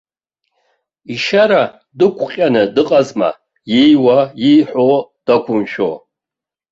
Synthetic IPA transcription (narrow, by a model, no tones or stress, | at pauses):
iʃaɾa | dɨkʷʰʼqʲʼanɨdɨqʼazma̰ | jijwajijħʷod̥akʷʰʊmʃo̰